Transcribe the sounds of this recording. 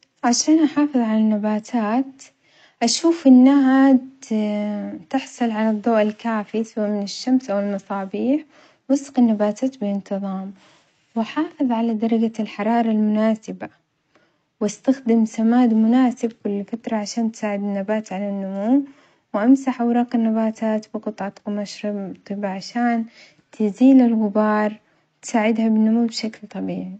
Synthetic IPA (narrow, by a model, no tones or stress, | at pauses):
ʕaʃaːnʔaħɑːfɨðˤʕalanːabaːt̪ʰaːt̪ | ʔaʃuːfʔɪnːaɦa | t̪ɪħsˤɨlʕalɑðˤːoːʔɪlkaːfisaamɪnɪʃːamsʔawɪlmɑsˤɑːbiːħ | wɪsqɪnːabaːt̪ʰaːt̪bɪlɪnt̪ɨðˤɑːm | waħɑːfɨðˤʕalad̪ɑɾˤɑɡalħɑɾˤɑːɾˤɑlmʊnaːsɪba | wɪst̪axd̪ɪmsamaːd̪mʊnaːsɪb̚kʊlːfat̪ɾˤɑʕaʃaːnt̪saːʕɪd̪ɪnːabaːt̪ʕanɪnːʊmuːm | wʔamsaħʔawɾˤɑːqɪnːabaːt̪ʰaːt̪bɪqɨt̪ˤʕɑt̪qmaʃɾɪbt̪ˤːɨbaʕaʃaːn | t̪ɪziːlɪlɣʊbɑːɾˤ | t̪saːʕɪd̪habɪnːʊmuːmbʃaklt̪ˤɑbiːʕi